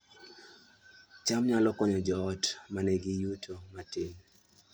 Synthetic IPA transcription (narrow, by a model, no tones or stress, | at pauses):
t͡ʃamɲalɔkɔɲɔd͡ʒɔːtmanɛɡijutʰomatin